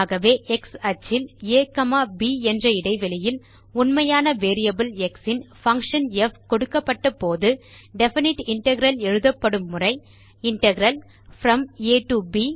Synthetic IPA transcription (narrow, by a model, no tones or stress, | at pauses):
ɣɐʋeːʔɛksɐt͡ʃːɪleːkɐmaːbiɛndrɐɪɽɐɪʋɛlɪjɪl | ʊnmɐjaːnɐʋeːɾijɐbɯlɛksɪnfɐŋkʂɐnɛfkɔɽɯkːɐpːɐʈːɐpoːðɯɖɛfɪnɪʈɪɳʈɐɣɪɾɐlɛɻɯðɐpːɐɽɯmːʊrɐɪ | ɪɳʈɐɣɾɐl | fɾɐmeːʈuːbi